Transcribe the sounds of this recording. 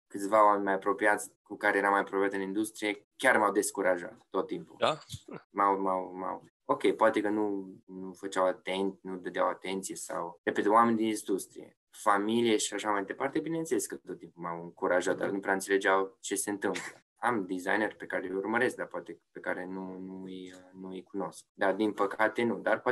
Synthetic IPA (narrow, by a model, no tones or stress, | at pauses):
kɨt̪sʲvaoamenʲmajapɾo̞pijat̪sʲkukaɾe̞jeɾamajapɾopijat̪ɨnind̪ust̪ɾijekʲarmawd̪e̞skuɾaʒa̰t̪ːo̞t̪ːimpṵ | mawmawma̰w | o̞kʲe̞jpoat̪e̞kənunufət͡ʃawat̪ent̪nud̪əd̪eawat̪e̞nt̪sijesa̰wrepet̪wamenʲd̪inizd̪ust̪ɾḭjḛ | familijeʃiaʃamajd̪epart̪ebine̞ɨnt̪seleskət̪ot̪ːimpumawɨŋkuɾaʒat̪̚d̪a̰rnupɾeaɨnt̪se̞le̞d͡ʒawt͡ʃe̞se̞ɨnt̪ɨmplə̰ | amd̪iza̰jnerpe̞kaɾeurməɾe̞sk̚d̪arpoat̪e̞pe̞kaɾe̞nunuɨjnuɨjkuno̞sk̚d̪ard̪inpəkat̪e̞nud̪arpoa